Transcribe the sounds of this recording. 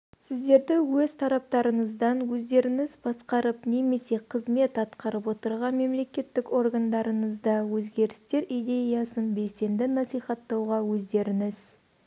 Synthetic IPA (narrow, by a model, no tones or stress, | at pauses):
sɪzd̪e̞ɾd̪ɪwɵz̥t̪ʰɑɾɑp̚t̪ɑɾəɴəzd̪ɑnwɵzd̪e̞ɾɪŋɪzbɑsqɑɾəpne̞me̞se̞qʰəzme̞t̪ɑt̪qɑɾəpwo̞t̪əɾʁɑnme̞mle̞kʲe̞t̪ːɪko̞rɡand̪ɑɾəɴəzd̪ɑwɵzɡʲe̞ɾɪst̪e̞ɾijd̪e̞jɑsənbe̞lse̞nd̪ɪnɑsijχɑt̪ːɑwʁɑwɵzd̪e̞ɾɪŋɪz